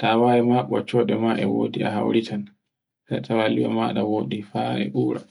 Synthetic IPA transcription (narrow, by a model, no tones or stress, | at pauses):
tawajɛmaɓːɔt͡ʃɔːɗɛmaʔɛwo̰ːdiʔa̰ɦa̰wɾitʰan | tatʰawaliwɔ̰maːɗawoːɗifaɾɛ̰ʔuːɾa̰